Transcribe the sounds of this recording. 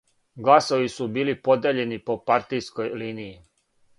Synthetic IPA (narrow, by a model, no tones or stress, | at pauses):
ɡlasoʋisubiːlipo̞d̪eʎe̞nipo̞paɾt̪ijsko̞jliːniji